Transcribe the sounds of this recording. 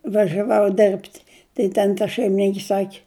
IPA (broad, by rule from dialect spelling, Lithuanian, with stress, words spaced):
ʋɐʒʲɛˈʋɐʊ ˈdʲɪrʲpʲtʲ tɐɪ ˈtʲɛn tɐ ʃʲɛɪmʲɪˈnʲɪŋʲkʲɪ ˈsɑːkʲɪ